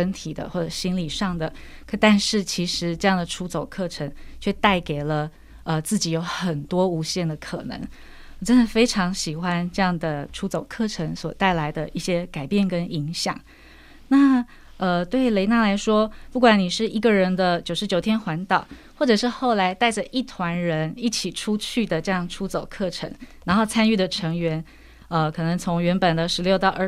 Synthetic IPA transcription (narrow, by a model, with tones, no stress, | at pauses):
ə˥nt̪ʰi˨˩d̪ə̰˦xwɔ˥˩ʈ͡ʂɤ˨˩ɕi˥nli˨˩ʂɑ˥˩ŋd̪ə˩˧ | t̪a˥˧nʂɻ̩˥˩t͡ɕʰi˧˥ʂɻ̩˧˥ʈ͡ʂɤ˥˧jɑ˥˩ŋd̪ə˩ʈ͡ʂʰu˧˥t͡so˨˩ʊkʰɤ˥˩ʈ͡ʂʰə˧˥ŋt͡ɕʰɥɛ˥˧t̪a˥˩ɪke˨˩ɪlə˧ | ə˧t͡sɹ̩˥˩t͡ɕi˨˩jo˧˥ʊxə˨˩nt̪wɔ˥u˧˥ɕjɛ˥˩nd̪ə˩kʰɤ̰˨˩nɤ̰˧˥ŋ | wɔ˨˩ʈ͡ʂə˥nd̪ə˨˩fe˥ɪʈ͡ʂʰɑ˧˥ŋɕi˨˩xwa˦˥nʈ͡ʂɤ˥˧jɑ˥˩ŋd̪ə˩ʈ͡ʂʰu˧˥t͡so˨˩ʊkʰɤ˥˩ʈ͡ʂʰə˧˥ŋswɔ˨˩t̪a˥˩ɪla˧˥ɪd̪ə˧i˥˩ɕjɛ˥ka˨˩ɪpjɛ˥˩nkə˥ni˧˥ŋɕjɑ̰˨˩˦ŋ | na˥˩ | ə˧t̪we˥˩ɪle˧˥ɪna˥˩la˧˥ɪʂwɔ˥pu˥˩kwa˨˩ni˨˩ʂɻ̩˥˩i˧˥ɡə˨ɻə˧˥nd̪ə˧t͡ɕjo˨˩ʊʂɻ̩˧˥t͡ɕjo˨˩ʊt̪ʰjɛ˥nxwa˧˥nt̪ɑ˨˩ʊxwɔ˥˩ʈ͡ʂɤ˨˩ʂɻ̩˥˧xo˥˩ʊla˧˥ɪt̪a˥˩ɪʈ͡ʂə˩ʔi˥˩t̪ʰwa˧˥nɻə˧˥ni˥˩t͡ɕʰi˨˩ʈ͡ʂʰu˥t͡ɕʰy˥˩d̪ə˩ʈ͡ʂɤ˥˧jɑ˥˩ŋʈ͡ʂʰu˥t͡so˨˩ʊkʰɤ˥˩ʈ͡ʂʰə̰˧˥ŋna˧˥nxo˥˩˧ʊt͡sʰa˥ny˥˩d̪ə˩ʈ͡ʂʰɤ˧˥ŋɥɛ˧˥n | ə˧kʰɤ˨˩nə˧˥ŋt͡sʰʊ˧˥ŋɥɛ˧˥npə˨˩nd̪ə˦ʂɻ̩˧˥ljo˥˧ʊt̪ɑ˥˧ʊʔə˞˥˩